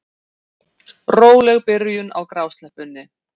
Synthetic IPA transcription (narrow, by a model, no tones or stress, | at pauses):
roːwlɛɣpɪɾjʏna̰wkɾawst̪lɛhpʏnːɪ